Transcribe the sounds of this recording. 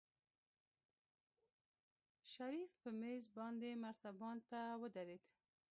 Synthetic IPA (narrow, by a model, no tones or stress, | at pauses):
ʃaɾifpəmezbɑnd̪emaɾt̪abɑnt̪awəd̪aɾed̪